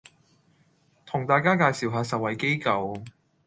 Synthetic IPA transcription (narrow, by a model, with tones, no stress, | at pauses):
t̪ʰʊ˨˩ŋt̪aː˨˧jkaː˥kaː˧jsi˨wɦaː˨˧sɐ˨t̚wɐ˨jke˥jkɐ˧w